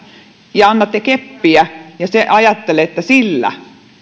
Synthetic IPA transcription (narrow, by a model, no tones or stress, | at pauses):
jɑɑnːɑt̪ːekepːiæjɑseʔɑjɑt̪ːeleet̪ːæsilːæ̰